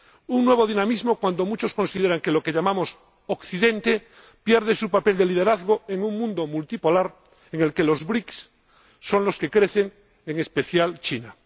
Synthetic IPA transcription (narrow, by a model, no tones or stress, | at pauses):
uŋnwe̞β̞oð̞inamizmo̞kwand̪o̞mut͡ʃo̞sko̞nsiðeɾaŋkelo̞keʎamamo̞s | okθiðe̞nt̪e̞ | pje̞ɾð̞e̞supape̞ld̪e̞lið̞e̞ɾaðɣoeŋuŋmũnd̪omult̪ipo̞laɾ | eŋe̞lke̞lo̞zβɾiksː | o̞nlo̞ske̞kɾe̞θe̞ŋ | eŋe̞spe̞θjalt͡ʃina